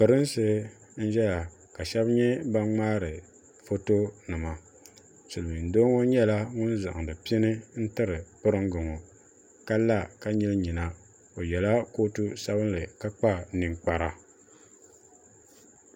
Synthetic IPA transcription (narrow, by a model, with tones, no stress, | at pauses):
pɨ˨ɾɨ˦nsɨ˦ | n̩˦ʒɛ˦la˨ | ka˨ʃɛ˦bɲɛ˦ba˦ŋ͡maː˦ɾɨ˨ | fo˦to˦nɨ˨ma˨ | sɨ˨lɨ˨n˨doː˦ŋo˦ɲɛ˦la˦ŋʊ˦n˦za˨ʔŋ˨dɨ˨pi˦i˦nɨ˦n̩˦tɨ˦ɾɨ˨pɨ˦ɾɨ˦ŋɡɨ˨ŋo˨ | ka˦la˦ka˦ɲi˦lɲi˨na˨ | o˨jɛ˨la˦ko˦tu˦sa˦bɨ˦n˦lɨ˨ka˦k͡pa˦nɨ˨ŋk͡pa˨ɾa˨